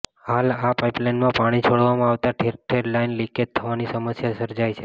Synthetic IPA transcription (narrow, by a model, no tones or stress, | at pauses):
halapaiplainmãpaɽ̃it͡ʃʰoɽʋamãaʋt̪aʈʰeɾʈʰeɾlainliked̪̚t̪ʰːəʋanisəməsjasəɾd͡ʒajt͡ʃʰe